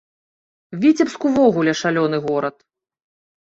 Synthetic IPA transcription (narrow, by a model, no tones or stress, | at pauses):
vʲit͡sʲɛpskuvɔɣulʲɛʂalʲɔn̪ɨɣɔɾɐt̪̚